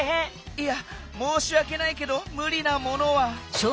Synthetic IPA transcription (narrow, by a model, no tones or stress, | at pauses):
ɦẽ | ia | moːɕiβake̞naike̞d̪o̞mɯ̟ɾʲinamo̞no̞βaɕo